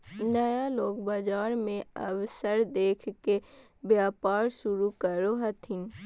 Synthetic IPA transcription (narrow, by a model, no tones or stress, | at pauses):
nəjaloːkbaːd͡ʒaːɾmẽɐ̰wsəɾd̪eːkʰke | bjaːpaːɾʃʊɾukəɾoɦɐt̪ʰĩː